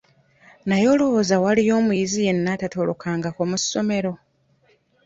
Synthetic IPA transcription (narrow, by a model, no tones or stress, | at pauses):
najo̞ːlo̞woːzawalijo̞ːmuizije̞nːatatolo̰kʰaːŋɡakomusːo̞me̞ɾo̞